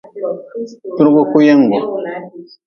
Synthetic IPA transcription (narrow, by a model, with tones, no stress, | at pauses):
tu˦ɾɡo˦ku˦ja˦ŋ˨ɡo˨